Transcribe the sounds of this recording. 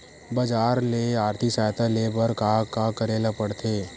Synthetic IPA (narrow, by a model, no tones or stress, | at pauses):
bɐd͡ʒaːɾleaːɾt̪ʰiksaːjt̪ʰaleːbəɾkakakəɾeːlapəɽt̪ʰeː